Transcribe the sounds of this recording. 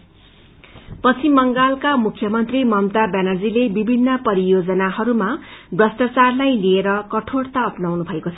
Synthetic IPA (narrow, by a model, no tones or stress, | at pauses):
pʌt͡sʰimʌŋɡalkamukʰːjʌmʌnt̪rimʌmt̪abanʌrd͡zilebibʱinːʌpʌɾijod͡zʌnahʌɾumabrʌsʈ̪at͡sarlajlieɾʌkʌʈʰoɽt̪aʌpnawnubʱʌekot͡sʰʌ